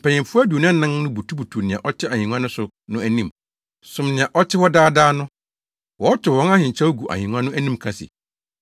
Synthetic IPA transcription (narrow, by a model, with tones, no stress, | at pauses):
m̩˨pʰɛ̃˨ɲɪ̃˨mfʊ˦a˦du˨o˨ñ˦nã˦ŋnʊ̃˦bu˨tʰu˦bu˨tʰu˨nɪ̃˨ã̰˨ʔɔ˦t͡ɕʰɪ˦a˨hĩ˨nũ˦ã˦nʊ̃˦sʊ˨ | nʊ̃˦æ˨nĩ˦˨m | sʊ̃˨mnɪ̃˨ã˨ʔɔ˦t͡ɕʰɪ˦hɔ˦daː˦daː˦nʊ̃˦ | wɔ˨˦ɔ˦t͡ɕʰᶣɪ˨hɔ̃˦na˦hɪ̃˨ɲ˨t͡ɕʰa˦wɔ˦ɡu˨ʔa̰˨hĩ˨nũ˦ã˦nʊ̃˦æ˦nĩ˦mkʰã˨sɪ̰˨